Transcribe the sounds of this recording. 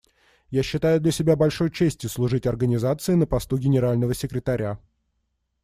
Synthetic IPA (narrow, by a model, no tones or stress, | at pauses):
jaɕːɪt̪ajʊd̪lʲəsʲɪbʲabɐlʲʂo̞jt͡ɕesʲtʲjʊslˠʊʐɨtʲɐrɡənʲɪzat̪sɨɪnəpɐst̪uɡʲɪnʲɪɾalʲnəvəsʲɪkɾʲɪt̪ɐɾʲʔa